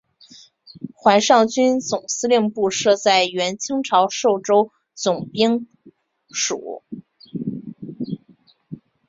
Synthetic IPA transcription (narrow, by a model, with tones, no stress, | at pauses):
xwa˧˥nʂɑ˥˩ŋt͡ɕy˥nt͡sʊ˨˩ŋsɹ̩˥ljɛ˥˧ŋpu˥˧ʂɤ˥˧t͡sa˥˩ɪɥɛ˧˥nt͡ɕʰi˥ŋʈ͡ʂʰɑ˧˥ʊʂo˥˩ʊʈ͡ʂo˥ʊ | t͡sʊ˨˩ŋpi˥ŋ | ʂṵ˨˩˦